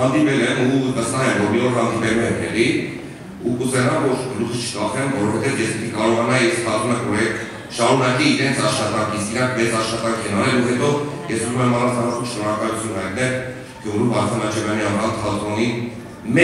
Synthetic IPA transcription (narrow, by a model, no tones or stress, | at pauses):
ɑnd̪ipɛlɛmuvəst̪ɑɦɛmvɔɾmiɔɾɦɑnd̪ipɛluɛmt̪ɛʁi | ukuzɛnɑvɔɾlut͡sʰə̥t͡ʃʰə̥kɑχɛmvɔɾɔvɛt̪ɛvjɛspit̪ʰikɑɾɔʁɑnɑjiskʰɑt̪unəkvɔɾɛ | ʃɑɾunɑkiːɾɛnt͡sʰɑʃχɑt̪ɑŋkʰiskiɾɑŋkʰvɛt͡sɑʃχɑt̪ɑŋkʰɛnɑnɛluɦɛt̪ɔjɛsuzumɛmɑrɑt͡s̪ʰɑmɔt̪ʰumʃnɔɾɑkɑlut͡sʰjunəɑjt̪nɛʁ | ɡjuɾumbɑɾt̪ʰɑnɑt͡ʃʰɛvjɑniɑmɾɑnt̪ʰɑlt̪ʰɔni | mɛ